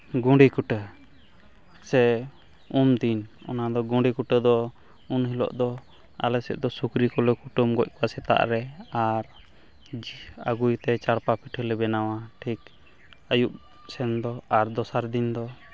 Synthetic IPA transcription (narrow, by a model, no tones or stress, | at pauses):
ɡɔ̃ɖikuʈə | sɛ | umd̪inɔ̰nad̪ɔɡɔ̃ɖikuʈəd̪ɔ | unɦilɔ̰ʔd̪ɔ | a̰lɛsɛ̰ʔ̚d̪ɔsukɾikɔlɛkuʈumɡɔc̚kɔasɛt̪a̰ʔɾɛaɾ | aɡujt̪ɛt͡ʃaɽpapiʈʰəlɛbɛnawaʈʰik | əjuʔ | sɛnd̪ɔaɾd̪ɔsaɾd̪ind̪ɔ